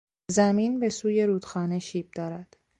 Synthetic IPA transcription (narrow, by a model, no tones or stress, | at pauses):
zæmiːnbe̞suːje̞ɾuːd̪̥xɒːne̞ʃiːb̚d̪ɒːɾæd̪̥